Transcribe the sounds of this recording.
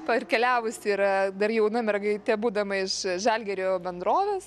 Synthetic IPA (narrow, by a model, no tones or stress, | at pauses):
pɐrʲkʲɛlʲæːʋʊsʲɪːɾɐd̪ɐrjɛʊnɐmʲɛrɡɐɪt̪ʲɛbuːd̪ɐmɐɪʃʒɐlʲɡʲɛɾʲoːbʲɛnd̪ɾoːʋʲeːs